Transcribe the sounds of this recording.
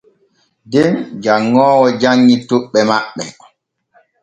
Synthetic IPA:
dɛnd͡ʒaŋːɔːwɔd͡ʒaŋːitoɓːɛmaɓːɛ̰

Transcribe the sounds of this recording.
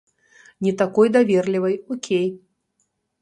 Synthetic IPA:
nʲɛt̪akɔjd̪avʲɛrlʲivɐjɔkʲʰej

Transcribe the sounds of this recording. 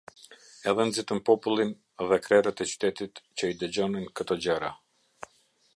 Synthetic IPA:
ɛðɛnzit̪əmpɔpulˠin | ðɛkɾɛɾət̪ɛt͡ʃy̥t̪ɛt̪it̪t͡ɕəid̪əd͡ʑɔninkət̪ɔd͡ʑəɾa

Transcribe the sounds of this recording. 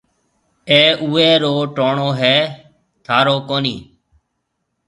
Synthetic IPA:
eːʔuːeːɾoːʈoːɳoːɦɛː | t̪ʰaːɾoːkoːniː

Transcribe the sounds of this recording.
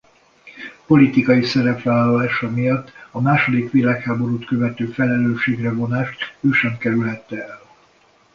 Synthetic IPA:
po̞lit̪ikɒjisɛɾɛpʋaːlɒlaːʃɒmijɒt̪ːɒmaːʃo̞d̪ikʋilaːkhaːbo̞ɾuːt̪køvɛt̪øːfɛlɛløːʃeːɡrɛvo̞naːʃt̪øːʃɛmkɛɾylɦɛt̪ːɛɛl

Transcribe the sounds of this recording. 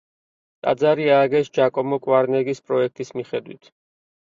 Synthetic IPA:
t̪ʼa̰d̪zaɾiaːɡɛsd͡ʒakʼɔmɔkʼwaɾnɛɡispʼɾɔɛk̚ʰt̪ʼismiχɛd̪wḭt̪ʰ

